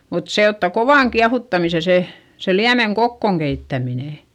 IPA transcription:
mut se otːɑ koʋɑˑŋ kiɑhutːɑmise se se liæmeŋ kokːoˑŋ keitːæmineˑ

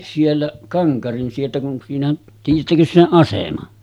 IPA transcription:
sielːæʔ kɑŋkɑrin sieltæ kun siːnæʔ tiːjˑætːækøs seʔ ʔɑsemɑ

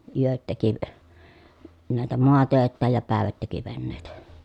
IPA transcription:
yøt teki næˑetæ moɑtøˑetːæːj jɑ pæˑeʋæt teki ʋenːeˑi̯tæ

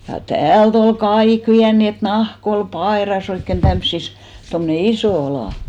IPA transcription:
jɑ tæːlt ol kɑik ʋiæn niːn et nɑhk ol pɑeˑrɑs oikːen tæmsːis tomne isoˑ ɑlɑˑ

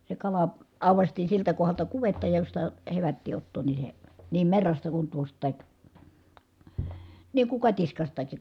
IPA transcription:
se kɑlɑ ɑˑuʋɑstiː siltæ kohɑltɑ kuʋetːɑ jostɑ heʋætːiː otːoːn ni se niːm merːɑstɑ kun tuostˑɑˑik niːŋ kuŋ kɑtiskɑstɑki

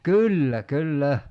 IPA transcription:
kylːæ kylːæ

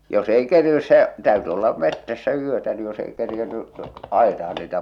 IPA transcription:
jos ei kerinːys se tæyty olːɑ metːæsːæ yøtæ ni jos ei kerjenːy ɑˑitɑh̞ɑn niːtæ

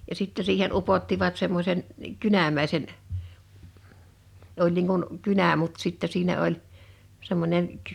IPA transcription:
jɑ sitːe siːhen upotːiʋɑt semːosʲen kynæmæˑisen olʲ niːŋ kun kynæ mut sitːɛ siːnæ olʲ semːonʲen

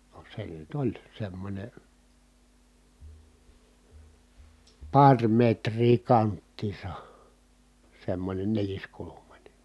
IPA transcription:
no se nyt olʲ semːonʲe pɑrʲ metriː kɑntːiːsɑ semːonʲen neliskulumɑnʲe

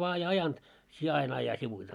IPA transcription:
ʋɑː ei ɑjɑnt sie ɑin ɑjɑ siʋuite

